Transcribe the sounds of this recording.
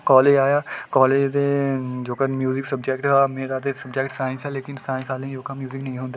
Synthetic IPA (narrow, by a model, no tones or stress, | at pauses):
kɔːleːd͡ʒaːjakɔːleːd͡ʒd̪ed͡ʒoːkɐɾmjuːzɪksɐb̚d͡ʒɛːkʈamẽɾaːt̪̬esɐbd͡ʒɛːkʈsaːɪ̃nsɦɛleːkɪnsaːɪ̃nsaːlẽĩd͡ʒoːkamjuːzɪknɐɦĩɦõːnd̪a